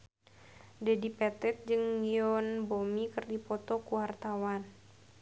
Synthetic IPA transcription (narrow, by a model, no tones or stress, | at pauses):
dɛdipɛt̪ɛt̪̚d͡ʒɨŋliɔnbomikərdipɔt̪ɔkuɦart̪awan